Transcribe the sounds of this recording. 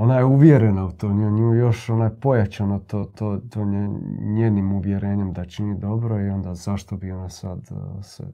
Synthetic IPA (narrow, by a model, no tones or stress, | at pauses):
o̞najeuʋjeɾenaut̪oːmɲouːjo̞ʃo̞najepo̞jat͡ʃanot̪ot̪ot̪oːeɲeːnimuʋjeɾeːɲemd̪at͡ʃinid̪o̞bɾo̞io̞nd̪azaʃt̪o̞bio̞nasa̰d̪sḛ